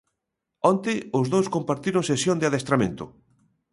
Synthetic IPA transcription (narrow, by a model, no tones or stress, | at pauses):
ɔnt̪ɪʊzðowskompaɾt̪iɾʊŋsesjond̪eaðest̪ɾamḛ̃nt̪ʊ